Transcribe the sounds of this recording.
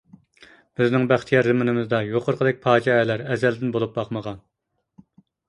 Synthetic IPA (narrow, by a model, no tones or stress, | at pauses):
b̥ɪznɪŋbæχt̪ʰijɑɾzɨmɪnɪmɪzd̪ɑjoqʰʊɾqʰəd̪ɛk̚ʲpʰɑːd͡ʒɑɛlæɾɛzɛld̪ɪnbolˠup̚bɑqməʁɑn